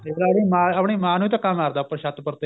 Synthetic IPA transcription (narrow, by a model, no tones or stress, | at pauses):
elaːɽiːmãːapɳiːmãːnuːit̪ãkamaːɾd̪aːpə̃ʃat̪pəɾt̪e